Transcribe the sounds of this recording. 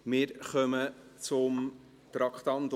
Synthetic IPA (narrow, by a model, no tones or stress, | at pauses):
mɪːɾχœmət͡sʊm | t̪ɾɑkχt̪ɑnd̪